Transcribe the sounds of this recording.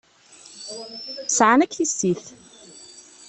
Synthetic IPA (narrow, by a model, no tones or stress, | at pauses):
sʕanækθisːiθ